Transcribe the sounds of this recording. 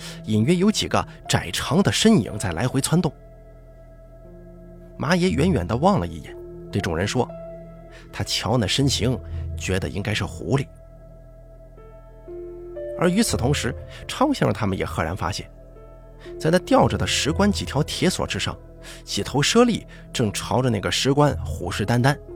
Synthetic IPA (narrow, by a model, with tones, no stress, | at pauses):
i˨˩nɥɛ˥jo˧˥t͡ɕi˨˩ɡə̰˦ʈ͡ʂa˨˩ɪʈ͡ʂʰɑ˧˥ŋd̪ə˨ʂə˥nḭ˧˩˥ŋt͡sa˥˩ɪla˧˥ɪxwe˧˥ɪt͡sʰwa˥nt̪ʊ˥˩ŋ | mʔa˧˥jɛ˧˥ɥɛ̰˧˥nɥɛ˨˩nd̪ə˦wɑ˥˩ŋlə̰˨ḭ˥˩jɛ̰˨˩˦nt̪we˥˩ɪʈ͡ʂʊ˨˩ŋɻə˧˥nʂwɔ˥ | t̪ʰa˥t͡ɕʰjɑ˧˥ʊnə˥˩ʂə˥nɕi˧˥ŋt͡ɕɥɛ˧˥d̪ə̰˧ʔḭ˥ŋka˥ɪʂ̩˥˩xṵ˧˥li˨˩˦ | ə̰˞˧˥y˧˥t͡sʰɹ̩˨˩t̪ʰʊ˧˥ŋʂɻ̩˧˥ʈ͡ʂʰɑ˥ʊɕjɑ˥˩ʈ͡ʂə˩t̪ʰa˥mə˨njɛ̰˨˩xɤ˧˥ɻa˧˥nfa̰˥ɕjɛ̰˥˩n | t͡sa˥˧ɪt̪ʰa˥t̪jɑ˥˩ʊʈ͡ʂɤ˨˩d̪ə˦ʂɻ̩˧˥kwa˥nt͡ɕi˨˩t̪ʰjɑ˧˥ʊt̪ʰjɛ˧˥swɔ̰˨˩ʈ͡ʂɻ̩˥ʂɑ̰˥˩ŋ | ɕɛ˨˩t̪ʰo˧˥ʊʂɤ˥li˥˩ | ʈ͡ʂɤ˥˩ŋʈ͡ʂʰɑ˧˥ʊʈ͡ʂə˧na˥˩ɡə˩ʂɻ̩˧˥kwa˥nxṵ˨˩ʂɻ̩˥˧t̪a˥nt̪a˥n